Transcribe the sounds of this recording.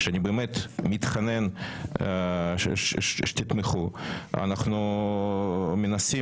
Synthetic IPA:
ʃeanʲibeːmet̪mit̪χanen | ʃʃt̪it̪meχua̰naχnu | menasi

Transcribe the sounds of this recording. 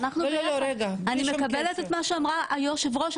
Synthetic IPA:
naχnuɾeɡaanimekabelet̪et̪maʃeamʁaʔajo̞ʃevʁo̞ʃ

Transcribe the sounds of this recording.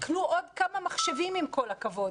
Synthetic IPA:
knuʔodkamamaχʃevimimko̞lakavo̞d

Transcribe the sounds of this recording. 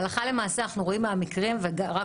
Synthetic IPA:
laχale̞maːseanaχnuʁo̞imaamikʁimveɡaʁa

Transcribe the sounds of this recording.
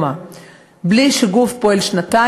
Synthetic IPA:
a | bliʃeɡufpoelʃnat̪a

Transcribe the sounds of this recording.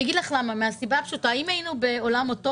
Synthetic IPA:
ɡidlaχlamameasibapʃutaimajinube̞o̞lamoto

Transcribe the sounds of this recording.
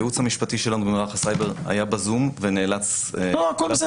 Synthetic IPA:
jut͡shamiʃpatiʃe̞lanubemlaχasajbe̞ʁa̰jabazumveneːlat͡soakols

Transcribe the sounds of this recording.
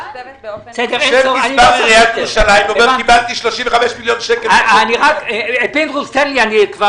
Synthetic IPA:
sed̪eesoaniaʁiaveʁuʃalajmemkibalt̪iʃloʃimveχameʃmiljonʃekeniʁakbend̪ʁust̪enlianikva

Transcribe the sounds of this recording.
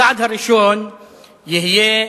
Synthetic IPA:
aːd̪ʱɐɾiʃon | jeɦije

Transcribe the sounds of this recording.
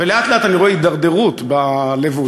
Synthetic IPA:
veleat̪leat̪aniʁoeid̪aʁd̪e̞ʁut̪balevu

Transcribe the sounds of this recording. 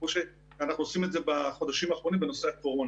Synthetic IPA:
oʃe | anaχnuosimetzebaχo̞d̪aʃimaːχʁonimbeno̞seakoʁon

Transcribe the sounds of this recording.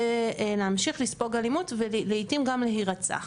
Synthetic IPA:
leamʃiχlispo̞ɡalimutvelleitimɡamleɦiʁat͡sa̰

